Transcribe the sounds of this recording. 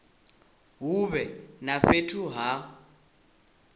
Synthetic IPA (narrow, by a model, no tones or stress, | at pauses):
ɦuβɛnaɸetʰuɦa